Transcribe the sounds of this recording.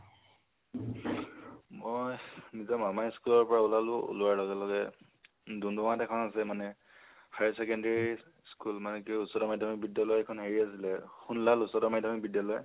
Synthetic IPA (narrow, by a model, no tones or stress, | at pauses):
mɔjmizamamajskulɔɹpɔɹaulalʊṵluaɹlɔɡɛlɔɡɛ | dundɔmatɛkʰɔnasɛmanɛ | hajsɛkɛndeɹii | skulmanɛkuusɔdɔmajdʱamik̚bidjalɔjɛkʰɔnɦeɹiasilɛxunlalusɔdɔmajdʱamik̚bidjalɔj